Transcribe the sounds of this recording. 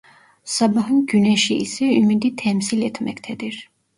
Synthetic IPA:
sɑbɑɦɯnɟynɛʃiisɛymid̪it̪ʰɛmsilɛt̪ʰmɛct̪ʰɛd̪iɾ̥

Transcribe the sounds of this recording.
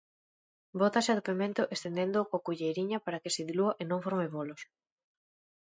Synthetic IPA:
bot̪asɪaðopemẽnt̪ʊʔest̪end̪end̪okoakuʝejɾiɲɐpaɾakɪseðiluaʔenõŋfoɾmeβolos

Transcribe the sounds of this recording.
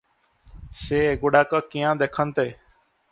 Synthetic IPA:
seːeɡʊɽaːkaːkijãːd̪eːkʰənt̪eː

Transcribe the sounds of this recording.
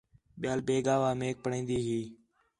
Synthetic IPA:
ɓɪjaːlbeːɡaːʋaːmeːk̚pəɳẽːnd̪iːɦiː

